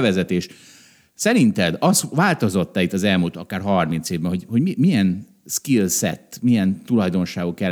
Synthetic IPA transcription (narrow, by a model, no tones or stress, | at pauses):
vɛzɛt̪eːʃ | sɛɾint̪ɛd̪ɒsʋaːlt̪o̞zo̞t̪ːɛit̪ːɒzɛlmuːlt̪ɒkaːrɦɒrmint̪seːvbɛnɦo̞ɟho̞ɟmimijɛn | skilsɛ̰t̪ːmijɛnt̪ulɒjd̪o̞nʃaːɡokjɛl